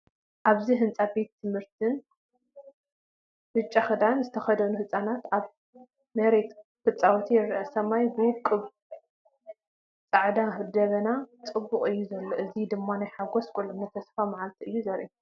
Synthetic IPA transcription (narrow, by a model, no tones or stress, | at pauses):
ʔaβziɦɨnt͡sʼabe̞t̪t̪ʰːɨmhɨɾt̪ʰɨn | hɨt͡ʃʼːaxɨd̪anzɨt̪ʰɐxɐd̪ɐnuhɨt͡sʼanat̪aβ | mɐɾet̪kɨt͡sʼːawt̪ʰijɛɾːʔɐsɐmajbɨwʊkʼːɨβ | t͡sʼaʕd̪ahɨd̪ɐβɐnat͡sʼɨbːʊqʼɨjːuzɐlːoʔɨzid̪ɨmːanajħaɡoskʷʼulɨmnɐt̪ʰɐsfamaʕalt̪ʰiʔɨjːuzɐɾʔi